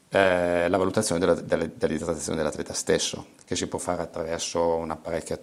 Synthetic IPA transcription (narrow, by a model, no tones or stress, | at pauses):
ɛlavalut̪at̪sjoːned̪ld̪eld̪elad̪it̪ɾt̪ːaːjo̰ned̪elat̪lɛːt̪ast̪esːo̰ | kesipwɔfːaːɾeat̪ːɾavɛrsounapaɾekʲːja